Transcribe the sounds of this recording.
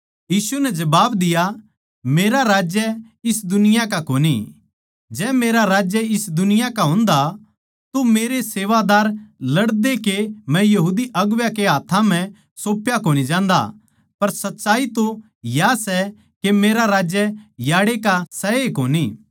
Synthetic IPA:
jiːsunɛd͡ʒɐbaːbd̪ɪja | meːɾaɾaːd͡ʒjə | ɪsd̪ʊnɪjakakoːni | d͡ʒɛːmeːɾaɾaːd͡ʒjəɪsd̪ʊnɪjakaɦõːnd̪a | t̪omeːɾeseːʋad̪aːɾlɐɽd̪ekemɛ̃jɐɦuːd̪iʔɐɡʋjakeɦaːt̪ʰãm̤ɛ̃ | soːpjakoːñid͡ʒãːnd̪a̰ | pɐɾsɐtːʃaːit̪o | jasɛ | kemeːɾaɾaːd͡ʒjəjaːɽekasɐekoːni

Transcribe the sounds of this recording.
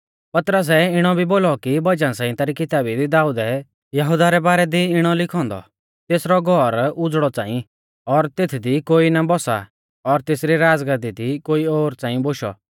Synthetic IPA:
pɐt̪ɾəs̬ɛɪɽ̃ɔbʱiboːlɔkibɐd͡ʒãsãːĩt̪aːɾikɪt̪aːbid̪id̪aːuːd̪ɛ | jɐɦʊd̪aɾɛbaːɾɛd̪iɪɽ̃ɔlɪkʰɔ̃ːnd̪ɔ̰ | t̪eːsɾɔɡʱɔɾʊd͡zɽɔt͡sã̰ːĩ | ɔɾt̪eːt̪ʰd̪ikoːinabɔsa̰ | ɔɾt̪eːsɾiɾaːd͡zɡəd̪id̪ikoːioːɾt͡sãːĩboʃɔ̰

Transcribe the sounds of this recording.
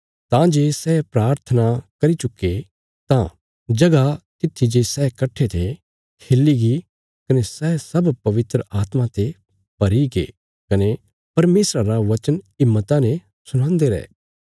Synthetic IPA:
t̪ãd͡ʒeːsɛːpɾaːɾt̪ʰənakɐɾit͡ʃʊkːe | t̪ã̰ | d͡ʒɐɡakɪt̪ʰːid͡ʒesɛːkɐʈʰːet̪ʰe | kʰeːlːiɡi | kɐnesɛːsɐbpɐʋɪt̪ɾəʔaːt̪mãt̪e | pɐɾiɡḛː | kɐne | pɐɾmeːsɾaɾaʋɐt͡ʃənɪmːət̪ãnẽ | sʊñãːnd̪eɾɛ̰ː

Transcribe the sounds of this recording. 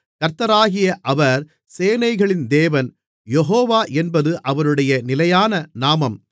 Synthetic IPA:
kɐɾt̪ɐɾaːɣɪjɐʔɐʋɐɾ | seːnɐɪɣɐɭɪnd̪eːʋɐn | jɛɦoːʋaːʔɛnbɐðɯʔɐʋɐɾɯɽɐjɐnɪlɐjaːnɐnaːmɐm

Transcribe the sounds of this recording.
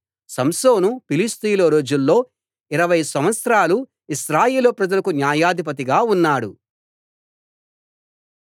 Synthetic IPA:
sɐmsoːnupilist̪iːlɐɾo̞ːd͡ʒulːo̞ː | iɾɐʋɐjsɐmʋɐt̪sɾaːlu | iʃɾaːjeːlopɾɐd͡ʒɐlɐkunjaːjaːd̪ʱip̬ɐt̪̬iɡaːunːaːɽṵ

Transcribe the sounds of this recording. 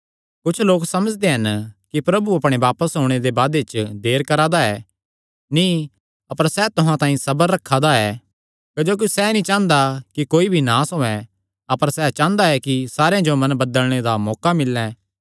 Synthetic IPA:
kʊt͡ʃʰloːksɐməd͡ʒd̪eɦɐnkipɾɐbuɐpɽ̃eʋaːpəsɦoːɽ̃ed̪ebaːd̪et͡ʃd̪eːɾkɐɾaːd̪aɛː | nĩ | ɐpəɾsɛt̪ʊɦãt̪ãːĩsɐbəɾːɐkʰːad̪aɛ | kɐd͡ʒoːk̬isɛnĩt͡ʃãːnd̪akikoːibʱinãsõɛ̃ | ɐpəɾsɛt͡ʃãːnd̪aɛkisaːɾejãd͡ʒomɐ̃nbɐd̪əlɽ̃ed̪amɔːkamɪlːɛ̃

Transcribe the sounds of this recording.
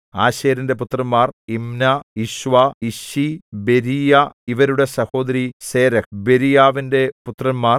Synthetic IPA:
aːɕeːɾinde̞put̪rɐmːaːrimnaiɕʋaiɕibeɾijaiʋɐɾuɽe̞sɐho̞ːd̪ɐɾiseːɾɐbe̞ɾijaːʋinde̞put̪rɐmːaːr

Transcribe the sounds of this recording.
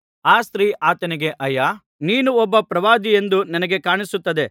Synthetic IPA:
aːst̪ɾiːʔaːt̪ɐniɡe̞ʔɐjaː | niːnuɔbːɐpɾɐʋaːd̪ije̞nd̪uninɐɡe̞kaːɳisut̪ːɐd̪e̞

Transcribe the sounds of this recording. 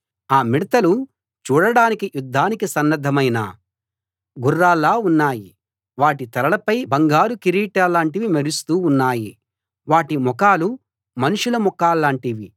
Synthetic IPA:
aːmiɽɐt̪ɐlu | t͡ʃuːɽɐɽaːnikijud̪ʱːaːnikisɐnːɐd̪ʱːɐmɐjna̰ | ɡurːaːlːaːunːaːji | ʋaːʈit̪ɐɾɐɭɐpɐjbɐŋɡaːɾukiɾiːʈaːlːaːɳʈiʋimɐɾust̪uːnːaːji | ʋaːʈimɔkaːlu | mɐnuʂulɐmɔkaːlːaːɳʈiʋi

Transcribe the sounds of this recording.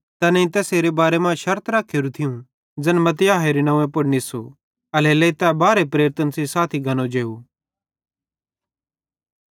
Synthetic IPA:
t̪ɛnɛ̃ĩt̪ɛːseːɾebaːɾemãʃɐɾt̪ʰɾaːkʰːeːɾut̪ʰɪjũ | d͡zɐnmɐt̪ɪjaːɦeɾinɐ̃ʋẽpʊɽnisu | ɐlelet̪ɛbaːɾepɾeːɾɪt̪ənsisaːt̪ʰiɡʱɐnõd͡ʒeːu

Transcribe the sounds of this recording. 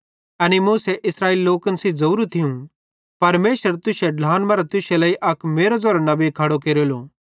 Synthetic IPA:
ɐnimũːsɛʔɪsɾaːiːliloːkənsid͡zɐuɾut̪ʰɪũ | pɐɾmeːʃəɾt̪ʊseɖlaːnbɐɾat̪ʊselɐːiʔɐkmeːɾod͡zoːɾnɐbekʰɐɽokeːɾoloː

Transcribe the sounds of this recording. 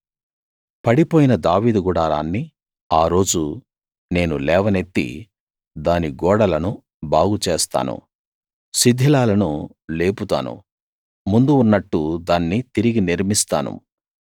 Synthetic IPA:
pɐɽipoːjinɐd̪aːʋiːd̪uɡuɽaːɾaːnːi | aːɾo̞ːd͡ʒu | ne̞ːnulɛːʋɐne̞t̪ːḭ | d̪aːniɡɔːɽɐlɐnu | baːɡut͡ʃeːst̪a̰ːnṵ | sid̪ʱːilaːlɐnu | le̞ːput̪a̰ːnṵ | mund̪uːnːɐʈːud̪aːnːit̪iɾiɡiniɾmist̪a̰ːnṵ

